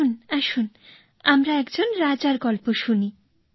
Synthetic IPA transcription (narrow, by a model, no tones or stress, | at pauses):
unaʃun | amɾaɛkd͡ʑonɾad͡ʑaɾɡɔlpoʃuni